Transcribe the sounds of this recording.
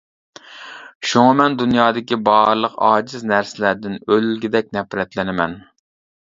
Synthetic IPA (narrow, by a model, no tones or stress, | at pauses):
ʃuŋɨmɛnd̪unjɑːd̪ɪkʲibɑːɾlˠəqɑ̰ːd͡ʒɪznæɾsɪlæɾd̪ɪnølɡʲɪd̪ɛk̚ʲnɛpɾɛt̪lɪnɪmɛn